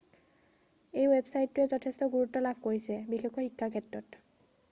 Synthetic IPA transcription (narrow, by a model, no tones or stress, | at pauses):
ejwebsajtːuɛzɔtʰestɔɡuɹutːɔlabʱkoɹisɛbixekːɔxikʰːaɹkʰetɹɔt